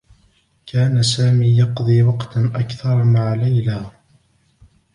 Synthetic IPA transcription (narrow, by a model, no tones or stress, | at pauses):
kʰaːnasaːmiːjɑqd̪ˤiːwɑqt̪ʔakθɑɾˤmaʕalajlaː